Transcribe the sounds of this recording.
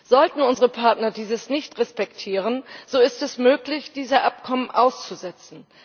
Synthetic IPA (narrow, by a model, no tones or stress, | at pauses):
z̥ɔltn̩ʊnzəʁəpʰaɐtnɐdiːzəsnɪçtʁɛspɛktʰiːʁ̞ənz̥oːɪstɛsmøːklɪçd̥iːzɐʔapkʰɔmənʔaʊst͡suzɛt͡sn̩